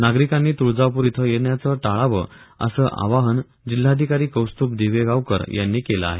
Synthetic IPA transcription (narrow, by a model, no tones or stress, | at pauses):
naɡɾikanːiːt̪uɭd͡zaʋpuɾit̪ʰəjeɳjat͡səʈaɭaʋə | ə̰səːʔa̰ʋaɦən | d͡ʑil̤ːaːd̪ʱikaɾiːkəwst̪uːp̚d̪eʋeɡaʋkə̰ɾjʔanːiːkelə̰a̰ɦe